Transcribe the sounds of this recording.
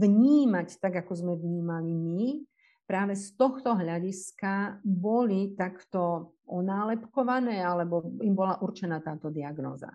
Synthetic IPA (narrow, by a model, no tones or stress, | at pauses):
ʋɲiːmact̪aɡakɔzmɛʋɲiːmalimi | pɾaːʋɛst̪ɔxt̪ɔɦʎaɟiskabɔlit̪akt̪ɔ | ɔnaːlɛpkɔʋanɛːalɛbɔimbɔlaʔuɾt͡ʃɛnat̪aːt̪ɔd̪iaɡnɔ̰ːza̰